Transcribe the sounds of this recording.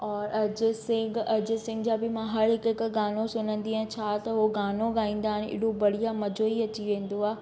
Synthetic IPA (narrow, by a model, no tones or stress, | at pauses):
ɔːɾɐd͡ʑʊsɪ̃ɡɐd͡ʑʊsɪ̃ŋɡd͡ʑaːbɪmãɦɐɾɦɪkɦɪkɡaːnosʊnə̃nd̪iãt͡ɕʰaːt̪ɐɦoɡaːnõɡaːĩːn̆d̪aːɦɪnɪ̰ɽobɐɽ̤ijamɐd͡ʑoːiɐt͡ɕiʋẽːn̆d̪oaː